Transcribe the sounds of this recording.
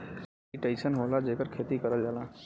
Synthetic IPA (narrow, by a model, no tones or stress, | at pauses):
iʈẽnsənɦoːlad͡ʒeːkəɾkʰeːt̪ikəɾəld͡ʒaːlãː